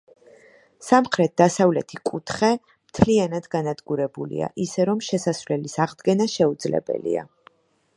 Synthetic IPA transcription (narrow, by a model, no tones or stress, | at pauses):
samχɾɛt̪̚d̪asavlɛt̪ʰikʼut̪ʰχɛ | mt̪ʰlianad̪ɡanad̪ɡuɾɛbulḭa̰ʔisɛɾɔmʃɛsasvlɛlisaʁd̪ɡɛnaʃɛud̪zlɛ̰bɛ̰lḭa̰